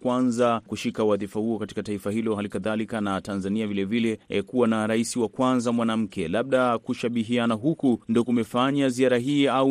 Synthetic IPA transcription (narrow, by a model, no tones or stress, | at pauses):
kwanzakuʃikawaðifahuɔkati̥kataifahilɔɦalikaðalikanatanzaniavilɛvilɛkuwanaɾaisiwakwanzamwanam̩kʰɛlaɓ̚ɗakuʃaɓiɦianaɦukundiɔkumɛfaɲaziaɾaɦiːau